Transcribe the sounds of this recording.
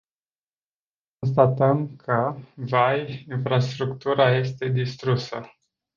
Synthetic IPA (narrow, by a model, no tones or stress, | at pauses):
kkons̬t̪at̪əmkʰəvajinfɾast̪ɾukt̪uɾaje̞st̪e̞d̪ist̪ɾusə